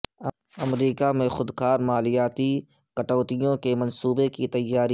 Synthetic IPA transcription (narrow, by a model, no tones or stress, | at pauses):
ɐmɾiːkamẽxʊd̪kaːɾmaːlɪjaːt̪ikɐʈɔːt̪ijõkemɐ̃nsuːbekit̪ɐjːaːɾi